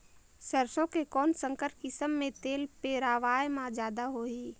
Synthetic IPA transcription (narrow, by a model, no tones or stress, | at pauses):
səɾsõkekɔːnsə̃ŋkəɾʈ̚kɪsəmːẽt̪eːlpeɾaːʋaːjmãd͡ʒjaːd̪aɦoːiː